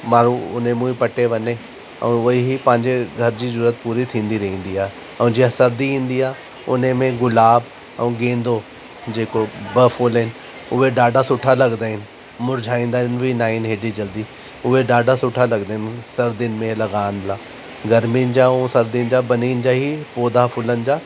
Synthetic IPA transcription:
maːɾuʊ̰n̤ẽmũːipɐʈeʋɐne | ɛ̰̃ʊiɦipɐ̃ɦɪ̃ɲd͡ʑeɡʱɐɾd͡ʑiːzʊɾət̪̚puːɾit̪ʰĩːn̆d̪iɾɐɦĩːn̆d̪iaːɦe | ɛ̃d͡ʑiɦasɐɾd̪iɦĩːn̆d̪iaː | ʊ̰n̤emẽɡʊlaːb | ɛ̰̃ũɡẽːnd̪o | d͡ʑeːkobɐfoːlɦɪnɪ | ʊɦeɖaːɖʱasʊʈʰalɐɡd̪aːɦɪnɪ̆ | mʊɾd͡ʑʱaːĩːnd̪aːɪnbʱinaːɦinɦeːɖid͡ʑɐld̪i | ʊɦeɖaːɖʱasʊʈʰalɐɡd̪aːɦɪnɪ̆sɐɾd̪ɪnɪ̆mẽlɐɡaːnɪlaː | ɡɐɾminɪd͡ʑaũsɐɾd̪iɪnɪd͡ʑaːbɐniːnɪ̆d͡ʑaːɦipoːd̪afʊlənɪ̆d͡ʑaː

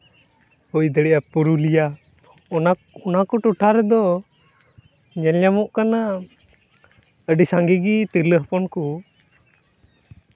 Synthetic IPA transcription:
ujd̪ɛɽɛjapuɾulija | ɔnakɔʈuʈʰaɾɛd̪ɔ | ɲɛlɲamɔʔkana | əɖisaŋɡiɡit̪iɾləɦəpɔnku

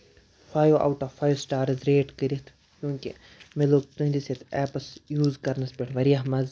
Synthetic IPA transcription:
faːjoʔa̰wʈafaːjosʈaːɾɐzɾeːʈkəɾit̪ʰ | jjũːkʲḭ | meloːɡ̚t̪uɦd̪iset̪ʰɛːpɐsjuːzkɐɾnɐspʲeʈʰʋɐɾijaɦmɐz

